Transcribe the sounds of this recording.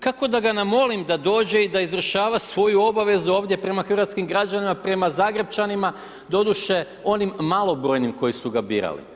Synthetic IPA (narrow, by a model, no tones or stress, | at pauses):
kako̞d̪aɡanamo̞limd̪ad̪o̞ːd͡ʑe̞id̪aizɾuʃaːʋasʋo̞juo̞baʋe̞zuo̞ːʋd̪je̞pɾe̞maxɾɾat̪skimɡɾad͡ʑanimapɾe̞mazaːɡɾe̞b̚t͡ʃanima | d̪o̞d̪uʃe̞ | o̞nimːalˠo̞bɾo̞ːjnimko̞jisuɡabḭːɾa̰lḭ